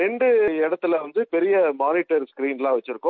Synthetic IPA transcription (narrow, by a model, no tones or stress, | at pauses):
ɛɳɖɯɪɽɐt̪ːɪlɐʋɐnd̪ɯpɛɾɪjɐmaːnɪʈːɐɾskɾiːnlãːʋɐt͡ʃːɪɾɯkːʊ̃